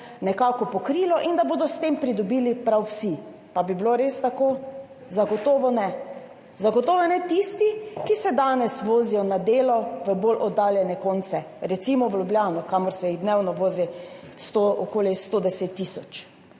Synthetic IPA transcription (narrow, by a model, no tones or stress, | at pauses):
nɛkaːkɔpɔkɾiːlɔʔind̪aboːd̪ɔst̪empɾid̪ɔbiːlipɾawsi | pabibiloɾest̪akoː | zaɡɔt̪oːʋɔnɛ | zaɡɔt̪oːʋɛnɛt̪ist̪ikisɛd̪aːnɛsʋoːzijɔnad̪eːlɔʋəbolʔɔd̪aːljɛnɛkoːnt̪sɛɾɛt̪simɔwlʲjubljaːnɔkamɔɾsɛjid̪newnɔʋoːzi | st̪oʔɔkoːlist̪od̪ɛset̪ːisɔt͡ʃ